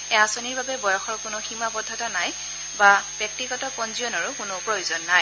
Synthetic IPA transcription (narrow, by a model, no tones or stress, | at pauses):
ɛasɔniɹbabɛbɔjɔxɔɹkʊnʊximabɔdʱːɔtɔnaj | bab̥ɛk̚tiɡɔtɔkɔnziɔnɔɹʊkʊnʊpɹɔjuzɔnːaj